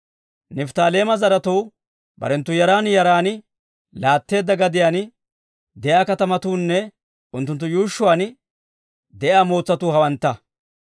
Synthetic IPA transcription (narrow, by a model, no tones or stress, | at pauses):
nɛft̪aːle̞ːmɐzɐɾɐt̪uw | bɐ̰ɾɛnt̪ːʊjɐɾaːnjɐɾaːn | laːt̪ːe̞ːd̪ːɐɡɐd̪ɪjaːn | d̪ɛjaːkɐt̪ɐmɐt̪uːnːɛ | ʊnt̪ːʊnt̪ːʊjuːʃːʊwaːn | d̪ɛjaːmoːt͡sːɐt̪uːhɐwɐnt̪ːɐ